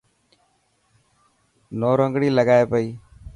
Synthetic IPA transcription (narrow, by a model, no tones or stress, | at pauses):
noːɾəŋɡɽiːləɡaːeːpəiː